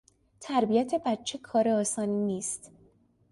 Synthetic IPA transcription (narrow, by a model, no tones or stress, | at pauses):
t̪ʰæɾbijæt̪ʰe̞bæt̪̚t͡ʃʰekʰɒːɾeɒːsɒːniniːst̪